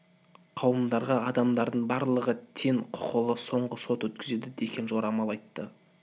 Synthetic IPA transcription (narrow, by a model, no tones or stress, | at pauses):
qʰɑwəmd̪ɑɾʁɑɑd̪ɑmd̪ɑɾd̪əɴbɑɾlˠəʁət̪ʰe̞ɴqʰʊ̥qəlˠəso̞ɴʁəso̞t̪wɵt̪kʲɪze̞d̪ɪd̪ekʲe̞nʒo̞ɾɑmɑlˠɑjt̪ːə